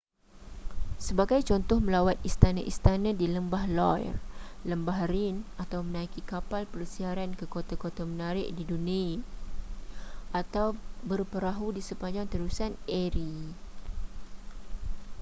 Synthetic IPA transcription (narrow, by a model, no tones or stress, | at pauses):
səbaɡajt͡ʃɔnt̪ɔhmə̃lawat̪ist̪anãʔist̪anãdiləmbahlɔjrləmbaɦrinat̪awmənaikikapalpələsiaɾankəkot̪akot̪amənaɾɪʔdiduni | ʔat̪awbərpəɾaɦudisəpaɲd͡ʒaŋt̪əɾusanɛɾi